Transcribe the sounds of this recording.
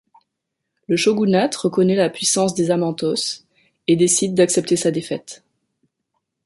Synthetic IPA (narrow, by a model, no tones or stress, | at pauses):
ləʃoɡunat̪ʁəkɔnɛlapɥisɑ̃s̬d̪ezamɑ̃t̪ɔs | ed̪esid̪ːaksɛp̚t̪esad̪efɛt̪